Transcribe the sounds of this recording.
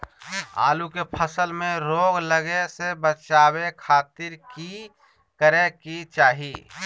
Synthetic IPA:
a̰ːlukepʰəsəlmẽɾoːɡləɡesebət͡ʃaːwekʰaːt̪ɪɾki | kəɾekit͡ʃaːɦi

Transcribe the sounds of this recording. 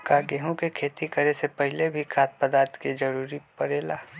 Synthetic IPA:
kaɡeːɦũkekʰeːt̪ikəɾesepəɦɪlebʱikʰaːt̪̚pəd̪aːɾt̪ʰked͡ʒɐɾuːɾipəɾeːlaː

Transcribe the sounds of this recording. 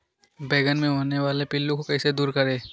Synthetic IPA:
beːɡənmẽɦoːneʋaːlepɪlːũkokɛːsed̪uːɾkəɾẽː

